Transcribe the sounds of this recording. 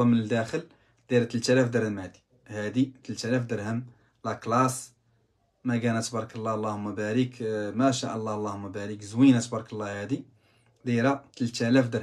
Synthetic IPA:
ɑmənəld̪æxəl | d̪̥iɾæt̪əlt̪ælæfd̪əɾəlmad̪i̥ | hæd̪it̪əlt̪ælæfd̪əɾhəm | læklɑs | mæɡænæt̪bɑɾˤkəlˤːɑlˤːɑhʊmːæbæɾikmæʃæʔəlˤːɑlˤːɑhʊmːæbæɾikzwinæt̪bɑɾˤkəlˤːɑhæd̪i | d̪iɾæt̪əlt̪ælæfd̪əɾ

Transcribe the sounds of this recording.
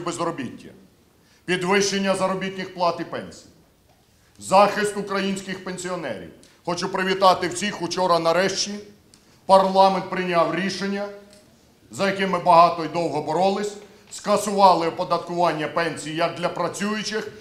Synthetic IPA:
bezɾɔbʲitʲːɐ̰ | pʲid̪ʋɪʃːenʲːɐzɐɾɔbʲit̪ʲnʲixplˠɑt̪ipɛnʲsʲiji | zɑxɪst̪ʊkɾɐjinʲsʲkɪxpenʲsʲiɔnɛ̰ɾʲḭw | xɔt͡ʃupɾɪʋʲit̪ɑt̪ɪwt͡sʲixʊt͡ʃɔɾɐnɐɾɛʃt͡ʃʲi | pɐrlˠɑment̪̚pɾɪnʲɑwɾʲiʃenʲːɐ | zɐjɐkɪmɪbɐɦɑt̪ɔid̪ɔwɦɔbɔɾɔlˠɪsʲ | skɐsʊʋɑlˠɪpɔd̪ɐt̪kʊʋɑnʲːɐpɛnʲsʲijijɐk̚d̪lʲɐpɾɐt͡sʲujʊt͡ʃɪx

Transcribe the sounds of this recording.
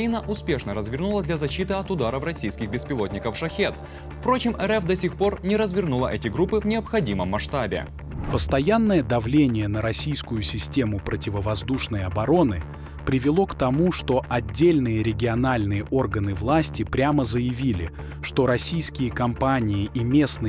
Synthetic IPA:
inəʔʊspʲe̞ʂnəɾəzvʲɪrnulˠəd̪lʲɐzɐɕːit̪ɨɐt̪ʊd̪aɾəfrɐsʲijskʲɪɣbʲɪspʲɪlˠo̞tʲnʲɪkəfʂɐxʲet̪ | fpɾo̞t͡ɕɪmʔɛɾɛfd̪ɐsʲixpo̞rnʲɪɾəzvʲɪrnulˠəʔɛtʲɪɡɾupːɨvnʲɪəpxɐdʲiməmːɐʂt̪abʲɪ̰ | pəst̪ɐjanːəjəd̪ɐvlʲenʲɪjənəɾɐsʲijskʊjʊsʲɪsʲtʲe̞mʊpɾətʲɪvəvɐzd̪uʂnəjɐbɐɾo̞nɨ | pɾʲɪvʲɪlˠo̞kt̪ɐmuʂt̪o̞ʔɐdʲːelʲnɨjəɾʲɪɡʲɪɐnalʲnɨjəʔo̞rɡənɨvlˠasʲtʲɪpɾʲaməzəjɪvʲilʲɪ̰ | ʂt̪o̞ɾɐsʲijskʲɪjəkɐmpanʲɪɪʔimʲe̞snɨ

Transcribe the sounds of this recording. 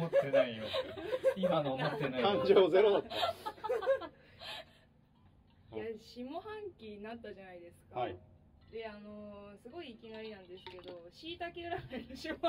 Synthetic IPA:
mot̪ːenaio | imanoomot̪ːenaãɲd͡ʑoːze̞ɾod̪at̪ːa | jaɕimo̞hãŋkʲiɲnat̪ːaʑanaid̪e̞sɨ̥ka | d̪e̞ano̞sɨɡo̞iːkʲinaɾʲinãnd̪e̞sɨ̥ke̞d̪o̞ɕiːt̪akʲeɯɾaɡanɯɕimo

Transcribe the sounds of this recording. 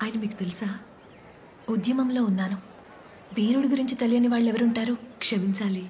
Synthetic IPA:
aːjɐnɐmiːku̥t̪e̞lisaː | ud̪jɐmɐmlo̞ːunːaːnu | ʋiːɾuɽiɡuɾiɲt͡ʃit̪ɐlijɐniʋaːɭːeʋɐɾuɳʈaːɾuːkʂɐmiɲt͡ʃaːli

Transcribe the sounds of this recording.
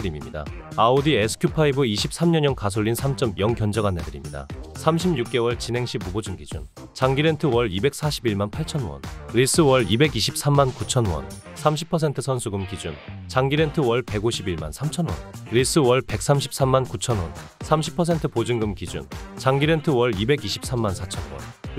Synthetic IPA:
ɯɾimimɲida̰ | aodiesʰɯ̥kʰjupʰaibɯiɕʰip̚s͈ʰamɲʌɲʌnkas̬ʰoʎːinsʰamt͡ɕ͈ʌmjʌŋkjʌnd͡ʑʌɡanːedɯɾimɲida̰sʰamɕʰimɲuk̚k͈e̞wʌɭt͡ɕinɦe̞ŋɕʰimubod͡ʑɯŋɡid͡ʑṵn | t͡ɕaŋɡiɾe̞ntʰɯwʌɾibe̞k̚s͈ʰaɕʰibiɭmanpʰaɭt͡ɕʰʌnwʌ̰nɾis͈ɯwʌɭibe̞ɡiɕʰip̚s͈amːankut͡ɕʰʌnwʌ̰n | sʰamɕʰipʰʌs̬ʰe̞ntʰɯsʰʌnsʰuɡɯmkid͡ʑunt͡ɕaŋɡiɾe̞ntʰɯwʌɭpe̞ɡoɕʰibiɭma̰nsʰamt͡ɕʰʌnwʌ̰nɾis͈ɯwʌɭpe̞k̚s͈amɕʰi̥p̚s͈amːankut͡ɕʰʌnwʌnsʰamɕʰi̥pʰʌs̬ʰe̞ntʰɯpod͡ʑɯŋɡɯmkid͡ʑṵnt͡ɕaŋɡiɾe̞ntʰɯwʌɭibe̞ɡiɕʰi̥p̚s͈ʰamːansʰat͡ɕʰʌnwʌ̰n

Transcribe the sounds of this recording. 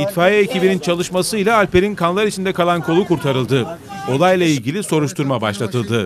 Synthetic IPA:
it̪faːjiecibinint͡ʃʰalˠɯʃmasɯjlˠaːlʲpe̞ɾinkʰanlˠaɾit͡ʃʰind̪ɛkalˠankʰo̞lˠukuɾt̪ʰaɾɯlˠd̪ɯ | o̞lˠajlˠailʲɟʲilʲiso̞ɾuʃt̪ʰuɾmaba̰ʃlˠat̪ʰɯlˠd̪ɯ

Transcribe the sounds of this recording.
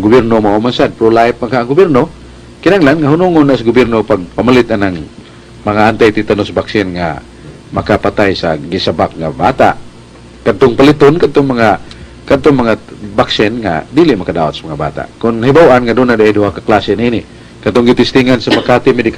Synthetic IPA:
ŋɡʊbjɛrnomaʔumansad̪̚pɾolaɪp̚aɡhaaŋɡʊbjɛrno | kɪnaŋlanŋaɦʊnuŋʊnːaʔsaɡʊbjɛrnopaɡ̚pamalɪt̪ʔanaŋ | maŋaʔant̪ajt̪ɪt̪anosbaksɪnŋa̰ | makapat̪ajsa̰ɡisabak̚ŋa̰ba̰t̪a̰ʔ | kad̪̚t̪oŋpalɪt̪onkad̚t̪oŋmaŋa | kad̪t̪oŋmaŋabaksɪnŋa̰d̪iːlɪʔmakadaːwa̰t̪samaŋaba̰ːt̪a̰ʔkʊnhibawʔanŋad̪unad̪aʔajduhakaklaːsɪnʔiːnɪ | kat̪oŋɡɪt̪ɪst̪ɪŋansamakat̪ɪmɛdɪk

